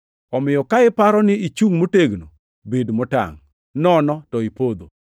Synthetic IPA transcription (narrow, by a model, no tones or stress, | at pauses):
ɔmɪjɔkaɪpaɾɔnɪit͡ʃuŋmoteɡno̰ | bedmota̰ŋ | nɔnɔtɔipod̪o